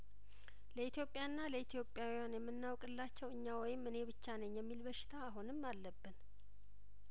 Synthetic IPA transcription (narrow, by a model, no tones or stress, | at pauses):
ləit̪ʰjopʼːjaɨnːaləit̪ʰjo̞pʼːjawijanjɛmːɨnːawkʼɨlːat͡ʃːɛwɨɲːawɔjɪmːɨne̞bɨt͡ʃːanəɲːjɛmːilbəʃːɪ̥t̪ʰaːɦunɨmːalːəbːɨn